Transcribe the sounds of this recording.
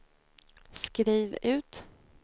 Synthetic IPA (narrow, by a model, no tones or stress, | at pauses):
skɾiːvʉ̟ːt̪